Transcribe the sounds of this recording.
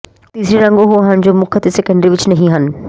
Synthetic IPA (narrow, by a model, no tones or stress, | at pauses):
t̪iːsɾiɾɐ̃ŋɡoɦoɦɐñd͡ʑoːmʊkʰət̪sɛkə̃ɳɖɾiʋɪt͡ʃnɐɦĩɦɐn̆